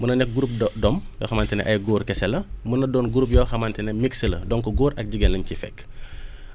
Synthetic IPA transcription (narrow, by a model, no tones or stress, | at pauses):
munɐnɛk̚ɡuɾup̚dɔmjɔ̰ːxɐmaːntɛnɛ̰ʔɐjɡɔːɾkɛsɛlɐmunɐdɔːnɡuɾup̬̚jɔxɐmantɛnɛmiksəlɐ̰dɔŋkɔɡɔːɾʔɐk̚ɟiɡɛnlɐncifɛ̰kː